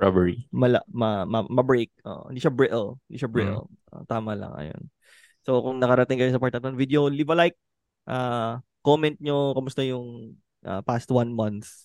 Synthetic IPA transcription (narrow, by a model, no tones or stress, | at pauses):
ɹa̰bɛɹimɐlɐ̰mɐmɐmɐbɹejk̚ʔo̰ːʔo̰hɪ̃nd̪iʃɐbɹɪʔɛlɪnd̪iːʃɐbɹɪ̰l | ʔo̰t̪aːmɐlɐ̰ŋʔɐ̰jo̰n | sokʊŋnɐkɐɾɐt̪ɪŋkɐjosɐpaɹt̪ɐt̪ɐɐnvid̪eolivɐlajk̚ | ʔakːomɛnt̪̚ɲokɐmʊst̪ɐjʊŋ | ʔa̰past̪wɐnmɐnθ